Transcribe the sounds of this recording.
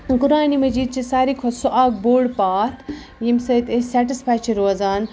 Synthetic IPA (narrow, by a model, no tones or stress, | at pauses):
kʊɾaːnimɐd͡ʒiːd̪̚t͡ʃʰisaːɾikʰosuʔaːk̚boːɖpaːt̪ʰ | jimsɐjt̪esaːʈispʰaːk̚t͡ʃiɾoːzaːn